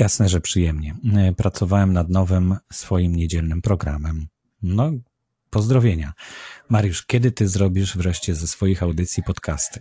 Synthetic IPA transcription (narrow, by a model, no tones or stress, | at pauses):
jasnɛʐɛpʂɘjɛmɲɛpɾat̪sɔvawɛmnad̪nɔvɘmsfɔjimɲed͡ʑɛlnɘmpɾɔɡɾa̰mɛm | nɔ | pɔzd̪ɾɔvʲjeɲamaɾjuʂkʲɛd̪ɘt̪ɘzɾɔbʲiʂvɾɛʂt͡ɕɛzɛsfɔjixawd̪ɘt̪sʲjipɔt̪kast̪ɘ̥